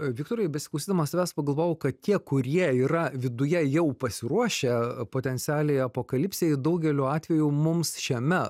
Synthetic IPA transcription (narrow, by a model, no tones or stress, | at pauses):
ʋʲɪkt̪oːɾɐɪbʲɛsʲɪklˠʊsʲiːd̪ɐmɐsɐʋʲæːspɐɡɐlˠʋoːjokɐt̪t̪ʲiɛkʊɾʲiɛiːɾɐʋʲɪd̪ʊjɛjɛʊpɐsʲɪɾuɔʃʲepoːt̪ʲɛnʲt̪sʲæːlʲɛɪɐpoːkɐlʲɪpʲsʲɛɪd̪ɐʊɡʲɛlʲoɑːt̪ʲʋʲɛjʊmʊmsʃʲiɛmʲɛ